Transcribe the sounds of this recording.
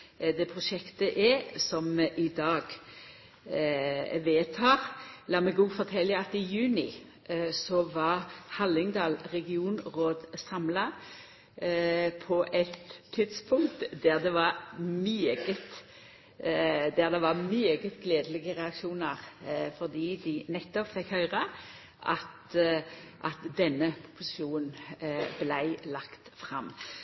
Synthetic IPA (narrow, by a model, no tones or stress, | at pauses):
d̪ɛpʰʁʊʃɛkt̪əʔɛsɔmʔɪd̪ɑːɡ | ʋeːt̪ʰɑːʁlɑːmɛɡuːfɔʁt̪ʰɛlːəɑt̪ɪjʉːnɪ | sɔʋɑʁhɑlɪŋd̪ɑːlʁɛɡɪuːnʁoːd̪sɑmlɑ | pʰɔʔɛt̪ʰːɪd̪spʰʊŋt̪d̪æʁd̪ɛʋɑɾmyɡət̪ | d̪æʁd̪ɛʋɑʁmeːɡət̪ɡleːd̪əlɪɡəʁɛɑkʃuːnəʁfɔʁd̪iːd̪ɪnɛt̪ːɔpfɛkhœʏʁə | ʔɑt̪ | ʔɑt̪d̪ɛnːəpʰʊpʊsɪ̥ʃuːnn̩blæɪlɑkt̪fʁɑ̰mː